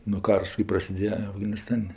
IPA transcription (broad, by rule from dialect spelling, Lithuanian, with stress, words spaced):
nʊ ˈkɐrs kɜ prɐsʲɪˈdʲeːjɛ ɐfɡɐnʲɪˈstɐnʲ